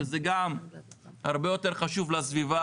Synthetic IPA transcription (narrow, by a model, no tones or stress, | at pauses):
ezeɡamhaʁbe̞jo̞t̪e̞ʁχaʃuvlasviva